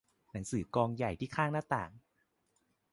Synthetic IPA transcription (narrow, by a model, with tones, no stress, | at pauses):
na˩˦ŋsɯː˩˦kɔː˧ŋja˨˩jt̪ʰiː˥˩kʰaː˥˩ŋnaː˥˩t̪a̰ː˨˩ŋ